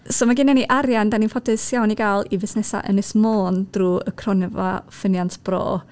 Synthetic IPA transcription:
soːmaɡiːnaniʔaɾjandaninfʰɔdɨsjawniɡaːlˠivɪsnɛsa̰ʔə̰nɛsmoːnd̥ruːə̰kʰrɔnɛva̰fənjantʰb̥ro̰ː

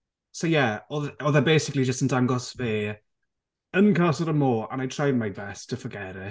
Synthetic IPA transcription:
sojɛɔðɔðəbejsɪklid͡ʒəstəndaŋɡɔsveː | ənkʰasəɾəmoːə̰̃najtʰr̥ajmajbɛstʰəfəɡɛɾɪ

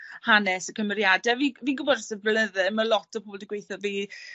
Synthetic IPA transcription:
hanɛsəkʰəmərjadɛviviːɡʊbɔdsəvləðɨməlɔtʰəpoːldəɡwejθɔviː

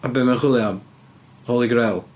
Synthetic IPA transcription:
abɪmənχwɪlˠjam | oːlˠiɡɾɛlˠ

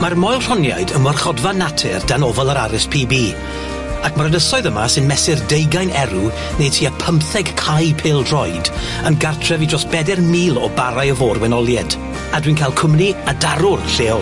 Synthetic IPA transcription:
marmɔjlˠr̥ɔnja̰jdənwərχɔdvanatʰɪrd̥anɔvɔlˠəɾaɾɪspʰiːbiː | akmaɾənəsɔɨðəma̰sɪnmɛsɪrdejɡajnɛɾu | nejtʰiːapʰəmpθɛɡkʰajpʰeːlˠdrɔjd | ənɡartʰrɛvidrɔsb̥ɛdɛrmiːlˠɔbaɾajəvoːrwɛnɔlˠjɛd | adwiːnkʰajlˠkʰʊmniadaɾʊrɬeːɔ

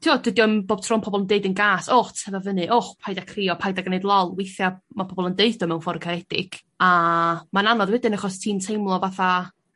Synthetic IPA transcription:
tʰiɔd̥wɪdjɔnboːb̥̚tʰr̥ɔnpʰɔbɔlˠəndeɨdənɡaːsoχtʰɛvavənɨʔoχpʰajdakʰriɔpʰajdaɡnejdlˠɔlˠwejθjamapʰɔbɔlˠəndeɨðd̥ɔmɛwnfɔɾkʰaɾɛd̥ɪ̰ɡ̥ | amananɔðwɛdɨnaχɔstʰiːntʰejmlˠɔvaθa

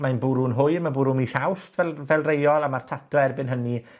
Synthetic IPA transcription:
manbʊɾunɦʊɨrmabʊɾumiɬawstʰvɛvɛlˠrejɔlˠamartʰatʰɔɛrbɪnɦəni

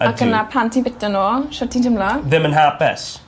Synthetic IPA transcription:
aənapʰantʰinbɪtanoːʃɔtʰintʰəmlaðɪmə̃nɦapɛs

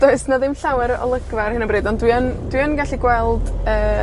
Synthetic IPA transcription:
d̥oɨsnaðɪmɬawɛɾɔ̰lˠəɡvarhɪnəmbriːdɔndwiənd̥wiənɡaɬiɡwɛlˠdəː

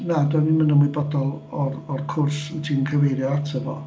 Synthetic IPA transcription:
nadwanimənəmwibɔdɔlˠɔrɔrkʰʊrstʰinənkʰəvejɾjɔatʰəvɔ̰

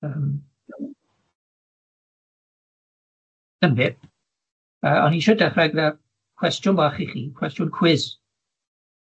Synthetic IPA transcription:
əm | əmbɪ | əɔ̰niʃədaχrɛɡva | kʰwɛstjʊnbaχiχḭkʰw̥ɛstjʊnkʰw̥ɪz̥

